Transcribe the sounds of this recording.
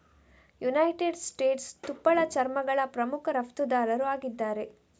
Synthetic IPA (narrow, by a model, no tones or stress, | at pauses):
junɐjʈeɖsʈeːʈst̪upːɐɭɐt͡ʃɐɾmɐɡɐɭɐpɾɐmukʰɐɾɐpt̪ud̪aːɾɐɾuaːɡid̪ːaːɾe̞